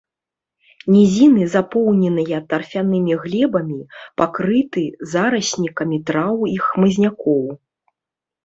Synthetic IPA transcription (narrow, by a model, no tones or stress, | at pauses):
nʲizʲinɨzapɔwnʲɛnɨjɐt̪ːɐrfʲanɨmʲiɣlʲɛbɐmʲipakɾɨt̪ɨzaɾɐsʲnʲikɐmʲit̪ɾawixmɨzʲnʲakɔw